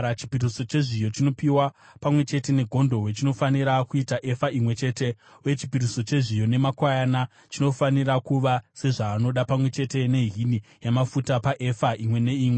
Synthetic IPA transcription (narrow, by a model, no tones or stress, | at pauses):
at͡ʃi̥piriso̞t͡ʃe̞ʐijo̞t͡ʃino̞piwapamwe̞t͡ʃe̞te̞ne̞ɡʱo̞ndo̞wet͡ʃino̞faniɾakuitaʔe̞faimwe̞t͡ʃe̞ːte̞ | uje̞t͡ʃi̥piriso̞t͡ʃe̞ʐijo̞ne̞makwajana | t͡ʃino̞faniɾakuʋase̞ʐaːno̞ɗapamwe̞t͡ʃe̞te̞ne̞ɦinijamafutapaʔe̞faʔimwe̞ne̞iːmwe